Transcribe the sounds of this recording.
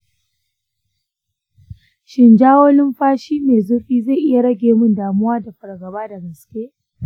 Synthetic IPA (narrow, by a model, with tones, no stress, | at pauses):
ʃɪ˨nd͡ʒaː˦woː˦lɪ˦mɸaː˦ʃiː˦neː˨zʊ˦rɸiː˦za˦˨ʔɪ˦ja˨ɽɐ˦ɡʲeː˨mʊ˦˨ndaː˨mʊ˦waː˦da˨ɸɐ˨ɽɡɐ˨baː˦da˨ɡɐ˨skʲeː˦ʔ